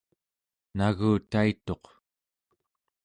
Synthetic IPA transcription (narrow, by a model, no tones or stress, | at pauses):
naɣuːt̪ait̪o̞q